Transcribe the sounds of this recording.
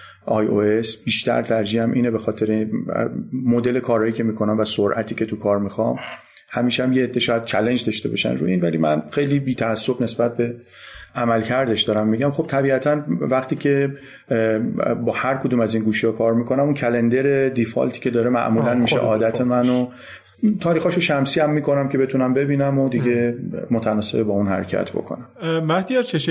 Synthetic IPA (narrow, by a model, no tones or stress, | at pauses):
ʔɒːjoe̞sb̥iːʃt̪ʰæ̰ɾt̪ʰæɾd͡ʒiːhæmʔiːnebe̞xɒːt̪ʰe̞ɾḛ | mod̪e̞le̞kʰɒːɾɒːjiːcʰʲe̞miːkʰo̞næmvæsoɾʔæt̪ʰiːce̞t̪ʰukʰɒːɾmixɒm | hæmiːʃæmjeed̪ːeʃɒːjæd̪̥̚t͡ʃʰæle̞nd͡ʒd̪ɒʃt̪e̞bɒʃæ̰nɾṵinvæliːmænxejliːbiːt̪ʰæːsːobne̞sbæt̪̚be̞ | ʔæmælcʰæɾd̪e̞ʃd̪̥ɒːɾæmːiɟæmxo̞b̥̚t̪ʰæbiːæt̪ʰænvæχt̪iːcʰe | bɒːhæɾkʰod̪uːmæzinɡuːʃihɒkʰɒːɾmiːkʰo̞næmuncʰælend̪eɾe̞d̪ifɒ̰lt̪ʰi̥ːcʰe̞d̪ɒːɾemæ̰ʔmuːlænmiːʃḛʔɒːd̪æt̪ʰe̞mæno | t̪ʰɒːɾiːxɒːʃoʃæmsiːæmːiːkʰo̞næmcʲʰe̞be̞t̪ʰunæmbe̞biːnæmod̪iɟe̞mot̪ʰænɒːse̞bebɒːunhæ̰ɾecʰæ̰t̪ʰbo̞̰kʰo̞̰næmmæhd̪iɛɾt͡ʃʰeʃ